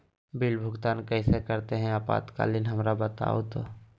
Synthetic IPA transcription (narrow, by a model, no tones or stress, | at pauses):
bɪlbʱʊɡt̪aːnkəɪsekəɾt̪eɦɛ̃aːpa̰ːt̪ka̰ːlɪnɦəmɾabət̪a̰ːot̪o